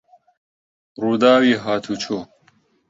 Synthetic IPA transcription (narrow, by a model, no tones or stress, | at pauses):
ɾud̪aːwiɦaːt̪ʰut͡ɕʰo